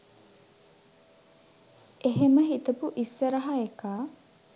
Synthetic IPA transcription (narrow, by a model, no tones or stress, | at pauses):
eɦeməɦit̪ɐpuʔisːəɾɐɦaekaː